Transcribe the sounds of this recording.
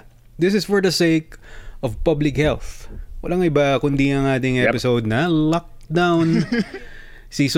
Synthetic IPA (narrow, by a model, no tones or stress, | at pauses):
d̪ɪsɪsfɔɹd̪ɐseɪkʔɔvpɐblɪkhɛlθwʔɐ̰laŋʔɪbakʊnd̪iɐŋʔaːt̪ɪŋʔɛpɪsowd̪̚nɐlɔk̚d̪awn | sis